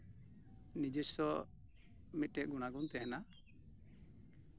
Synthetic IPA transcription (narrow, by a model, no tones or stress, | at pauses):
nid͡ʒɛsɔ | mit̪̚ɛʔ̚ɡuɽ̃aɡɔnt̪ɛɦɛna